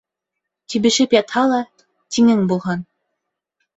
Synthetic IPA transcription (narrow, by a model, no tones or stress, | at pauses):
t̪iβɘ̆ʃɘpjɑt̪hɑlˠɑ | t̪iŋɘŋbulˠɦɑn